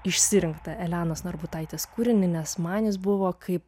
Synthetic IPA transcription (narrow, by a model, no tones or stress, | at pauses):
ɪʃʲsʲɪɾʲɪŋktt̪ɐʔɛlʲæːnoːsnɐɾbʊt̪ɐɪt̪ʲeːskuːɾʲɪnʲɪnʲɛsmɑːnʲɪs̬bʊʋoːkʰɐɪp